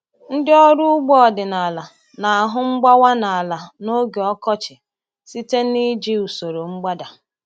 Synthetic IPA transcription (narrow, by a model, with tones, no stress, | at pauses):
n̩˦dɪ˦ɔ˦ɾʊ˦ʊ˦ɡ͡bɔ˦ɔ˨dɪ˨na˨la˨ | na˨a˨ɦʊ˦ŋ͡m̩˦ɡ͡ba˦wa˦na˨a˨la˨no˦ɡe˨ɔ˦kɔ˦t͡ʃɪ˨ | si˦te˦ni˦d͡ʒi˦u˨so˨ɾo˨ŋ͡m̩˦ɡ͡ba˦da˨